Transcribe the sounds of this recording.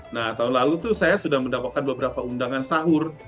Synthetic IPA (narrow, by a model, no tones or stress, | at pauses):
naht̪aɦunlalut̪usajasudahməndapat̪̚kanbəbəɾapaundaŋansaɦʊr